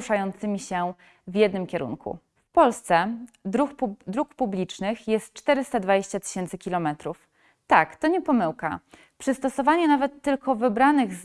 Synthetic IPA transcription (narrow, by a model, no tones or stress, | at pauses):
ʂajɔnt̪sɘmʲiɕɛ | vʲjɛd̪nɘmkʲɛɾṵnkʰṵ | fpɔlst̪sɛd̪ɾuxud̪ɾukpublʲit͡ʂnɘxjɛst̪̚t͡ʂt̪ɛɾɘst̪ad̪vad͡ʑeɕt͡ɕat̪ɘ̥ɕɛnt̪sɘkʲilɔmɛt̪ɾuf | t̪akt̪ɔɲɛpɔmɘwka̰ | pʂɘst̪ɔsɔvaɲɛnavɛt̪ːɘlkɔvɘbɾanɘɣz